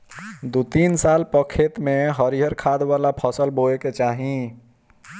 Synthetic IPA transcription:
d̪ut̪insalpəkʰːet̪meɦəɾiɦəɾkʰad̪walapʰəsəlboeket͡ʃaɦĩ

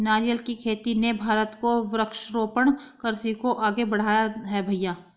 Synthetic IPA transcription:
naːɾijəlkikʰeːt̪inebʱaːɾət̪koʋɾəkʃɾoːpəɽ̃kəɾsikoʔaːɡebɐɽ̤aːjaɦɛbʱɐjaː

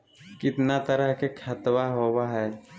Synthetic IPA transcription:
kɪt̪nat̪əɾəɦkekʰɐt̪waɦoːwaɦɛː

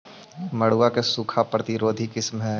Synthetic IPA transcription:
mɐɽ̤uakesuːkʰapɾət̪ɪɾoːd̪ʱikɪsmɦɛ̃ː

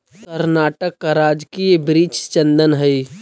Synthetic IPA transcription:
kəɾnaːʈəkːaɾaːd͡ʒkiebɾiːt͡ʃt͡ʃə̃nd̪ənɦəi

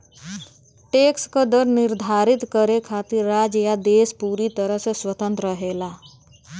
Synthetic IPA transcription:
ʈeːkskod̪əɾnɪɾd̪ʱaːɾɪt̪kəɾekʰaːt̪iɾːaːd͡ʒjad̪eːspuːɾit̪əɾəɦseswət̪ə̃nt̪ɾəɦeːlaː

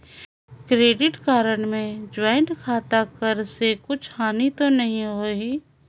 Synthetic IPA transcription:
kɾeːɖɪʈkaːɾəɽmẽd͡ʒwaːɪɳʈkʰaːt̪akəɾsekʊt͡ʃʰhaːnit̪onɐɦĩɦoːiː

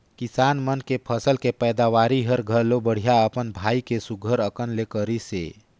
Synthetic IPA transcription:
kisaːnmənkepʰəsəlkepəːd̪awaːɾiɦəɾɡʱəɾlobəɽ̤ijaəpənbʱaːikesuɡʱəɾəkənlekəɾisḛ

